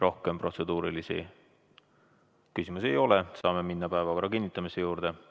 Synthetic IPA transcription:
ro̞hke̞mpro̞t̪se̞d̪uːɾilisḭ | kysimuse̞jo̞le̞sɑːme̞minːɑpæevɑkoɾɑkinːit̪ːˑɑmise̞juːɾd̪̥e̞

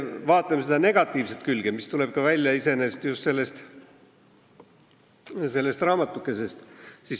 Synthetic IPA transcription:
vɑːt̪ːˑɑmsed̪̥ɑne̞ɡ̥ɑt̪ːˑiːvset̪̚kylɡ̥emist̪ule̞b̥kɑvælʲjɑise̞ne̞ːst̪just̪se̞lːe̞st̪ | se̞lːe̞st̪rɑːmɑt̪ːˑukːˑe̞se̞st̪sis

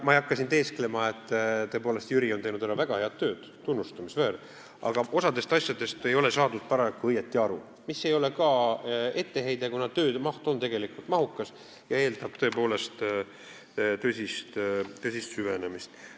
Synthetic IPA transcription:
mɑijɑkːɑsint̪e̞ːsklemɑet̪ːˑt̪ːø̞e̞poːlest̪jyɾio̞nejnud̪æɾɑvæɡ̥ɑhe̞ɑd̪̚t̪ːø̞ːd̪̥ | t̪unːust̪umisveːɾ | ɑ̰ɡ̥ɑʔo̞sɑd̪e̞st̪ɑsʲjɑd̪e̞st̪e̞jo̞le̞sɑːd̪ud̪̥̚pɑɾɑkːˑuɤjet̪ˑːiɑɾṵ | misːe̞jo̞lekɑe̞t̪ːe̞ɦe̞jd̪̥ekunɑt̪ø̞ːd̪mɑht̪o̞nt̪e̞ɡ̥e̞likult̪mɑɦukːˑɑs | jɑe̞ːld̪ɑb̥̚t̪ø̞epo̞ːle̞st̪ | t̪øsʲist̪t̪øsʲist̪syvenemist̪

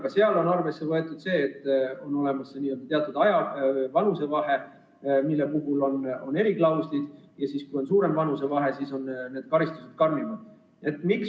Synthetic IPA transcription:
ɡ̥ɑse̞ɑlo̞nɑrve̞sːe̞vɤe̞t̪ːˑud̪se̞ːt̪ːo̞nːo̞le̞mɑsːeniːø̞ld̪ɑt̪eɑt̪ːˑud̪̥ɑjɑvɑnuse̞vɑɦe̞ | milːepuɦulo̞no̞ne̞ɾiklɑwslid̪̥jɑsiskujo̞nsuːɾe̞mvɑnuse̞vɑɦe̞siso̞nne̞ːd̪̥kɑɾist̪uset̪̚kɑrmimɑ | e̞t̪ːˑmiks

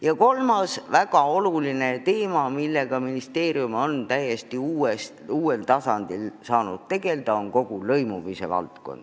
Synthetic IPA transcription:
jɑko̞lmɑsvæɡ̥ɑo̞luline̞t̪e̞ːmɑmilːe̞ɡ̥ɑminist̪e̞ːɾiumo̞nt̪æje̞st̪iuːest̪uːe̞lt̪ɑsɑnd̪̥ilsɑːnud̪̥̚t̪e̞ɡ̥e̞ld̪̥ɑo̞nko̞ɡ̥ulɤjmumise̞̰vɑ̰lt̪ko̞̰nd̪̥

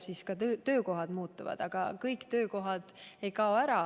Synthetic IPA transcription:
siskɑøt̪ø̞ːko̞ɦɑd̪̥muːt̪ːˑuvɑ̰d̪̥ɑɡ̥ɑ̰kɤjkt̪ø̞ːko̞ɦɑd̪̥e̞jkɑoæɾɑ

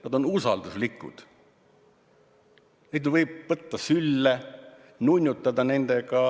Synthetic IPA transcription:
nɑd̪o̞nusɑld̪uslikːˑṵd̪̥ | ned̪nvɤjb̥̚ːɤt̪ːɑsylːe | nunʲːjut̪ːɑd̪ɑne̞nd̪̥e̞ɡɑ

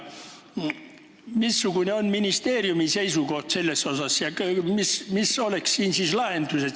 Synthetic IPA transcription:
misːukuneo̞nminist̪e̞ːɾjumise̞jsuko̞ht̪se̞lːe̞so̞sɑsjɑmismiso̞lekssiːnsislɑhend̪̥use

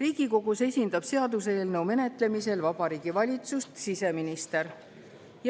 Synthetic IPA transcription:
riːɡ̥iko̞ɡ̥usesʲind̪̥ɑb̥se̞ɑd̪us̬e̞ːlnɤwme̞ne̞t̪ˑle̞mise̞lvɑb̥ɑɾiːɡ̥ivɑlʲit̪sust̪sise̞minist̪e̞ɾ | j

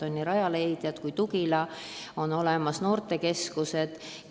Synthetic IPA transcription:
o̞nʲːiɾɑjɑlejd̪̥jɑt̪kujt̪uɡilɑ | o̞no̞le̞mɑsno̞ːrt̪ˑe̞ke̞skuse̞d̪̥

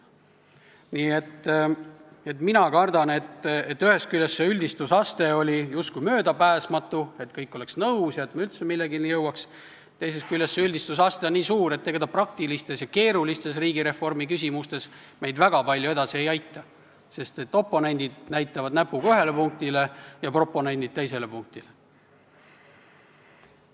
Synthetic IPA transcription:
niːe̞t̪ː | e̞t̪minɑkɑrd̪ɑne̞t̪et̪ːyhe̞skylʲjːesːeylʲd̪̥ist̪usɑst̪e̞o̞lʲijust̪̚kujmø̞ːd̪ɑpæːsmɑt̪ːˑue̞t̪kɤjkˑːo̞le̞ksnɤwsjɑet̪mɑylt̪semilːeɡinijɤwɑks | t̪e̞jse̞skylʲjesːeylʲd̪ist̪usɑst̪e̞onniːsuːɾe̞t̪ːe̞ɡ̥ed̪ɑprɑk̚t̪ilist̪e̞sjɑke̞ːɾulist̪e̞s̬riːɡiɾe̞fo̞rmikysʲimust̪e̞s | me̞jd̪væɡ̥ɑpɑlʲjue̞d̪̥ɑsie̞jɑjt̪ːˑɑ | se̞st̪e̞t̪ːˑo̞pːonenʲd̪̥id̪̥næjt̪ːˑɑvɑd̪̥næpːˑuɡ̥ɑyɦe̞lepuŋk̚t̪ile̞jɑpro̞pːo̞ne̞nʲd̪id̪̚t̪e̞jse̞le̞puŋk̚t̪ile

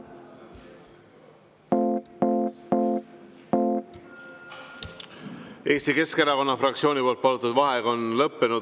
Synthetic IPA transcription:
e̞ːst̪ike̞skeɾɑko̞nːɑfɾɑkt̪sioːnʲipo̞lt̪̚pɑlut̪ːˑud̪vɑɦeɡ̥ɑo̞nlɤpːenu

